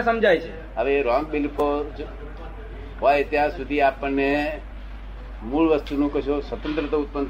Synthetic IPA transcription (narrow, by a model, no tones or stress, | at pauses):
səmd͡ʒajt͡ʃʰe | əʋeɾɔ̃ŋɡ̚bilpod͡ʒ | ɦojt̪jãsud̪ʱiapənːe | muɭʋəst̪unũkəʃosʋət̪ə̃nt̪ɾət̪əut̪̚pən